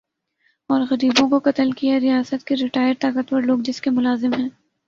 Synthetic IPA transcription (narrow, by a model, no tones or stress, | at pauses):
ɔːɾɣɐɾiːbõkokɐt̪əlkijaɾijaːsət̪kiɾɪʈaːɪjəɾt̪aːkət̪pɐɾloːɡd͡ʒɪskemʊlaːzɪmɦɛ̃ː